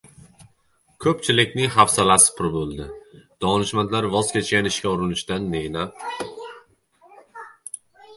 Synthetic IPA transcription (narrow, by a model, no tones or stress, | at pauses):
kʰɵpt͡ʃʰɪlɪkʲnɪŋɦafsalasɪ̥pʰʊɾbolˠd̪ɪd̪̥ɒnɪʃmant̪laɾvɒzkʲʰet͡ʃkʲanɪʃkʲaʊɾɪnɪʃt̪anːenap̚